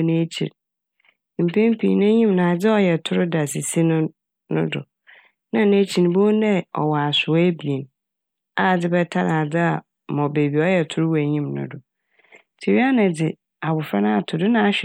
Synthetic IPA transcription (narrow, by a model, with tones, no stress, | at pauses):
nẽ˦t͡ɕʰḭ˨ɾ | m̩˨pʰẽ˦m˦pʰḭ̃ː˨nʊ̃˦ɲĩ˦mnã˨a˨d͡zɪ˦ɔ˨jɛ˨tʰʊ˦ɾʊ˦da˨si˨si˦nʊ̃˦ | nʊ̰̃˦dʊ̰˨ | nã˦˨nẽ˦t͡ɕʰi˨ñ˨bo˦nɛ̃˦ɔ̰˨wɔ˨a˨sʊ˨˦æ˦bi˨e˨n | a˦˨d͡zɪ˦bɛ˦tʰa˦ɾa˨d͡zɪ˦a˨ | mɔ̃˨be˨bi˨ɔ˦jɛ˨tʰʊ˦ɾʊ˦wæ˨ɲĩ˦mnʊ̰̃˨dʊ˨ | tʰi˨ɾi˦a˦nã˨dɪ˨ | a˨bʊ˨fɾa˦nʊ̃˦a˨tʰʊ˨dʊ˦nã˦a˨ɕᶣɛ˨